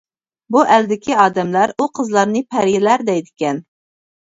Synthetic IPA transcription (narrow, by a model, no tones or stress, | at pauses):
buʔɛld̪ɪkʲʰiɑːd̪ɛmlæɾuqʰəzlˠɑɾnɨpʰæɾjɪlæɾd̪ɛjd̪ɪkʲɛn